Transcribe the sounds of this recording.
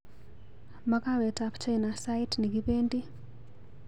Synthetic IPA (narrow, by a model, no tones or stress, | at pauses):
makawɛtakt͡ʃejnasaitniɡipendi